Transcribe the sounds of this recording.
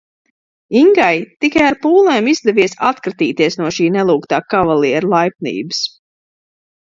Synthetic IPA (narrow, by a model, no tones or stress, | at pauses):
iŋɡajt̪ikajaɾpuːlˠeːmizd̪ɛviɛsat̪kɾat̪iːt̪iɛsnuɔʃiːnɛlˠuːkt̪aːkavalˠiɛɾlˠajp̚nḭːbs